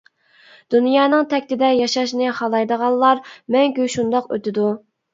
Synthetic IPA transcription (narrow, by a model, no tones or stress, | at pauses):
d̪̥unjɑːnɨŋt̪ʰɛkʲt̪ɪd̪ɛjɑʃɑʃnɪhɑlˠɑjd̪əʁɑlˠlˠɑɾmɛŋkʲyʃund̪ɑqø̰t̪ɪd̪u